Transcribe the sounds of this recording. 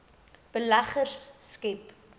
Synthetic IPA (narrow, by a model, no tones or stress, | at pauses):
b̥əlæχərsːkep